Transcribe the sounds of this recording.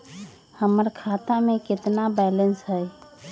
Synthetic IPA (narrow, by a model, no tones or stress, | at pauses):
həməɾkʰat̪amẽkɪt̪nabɛlənsɦəj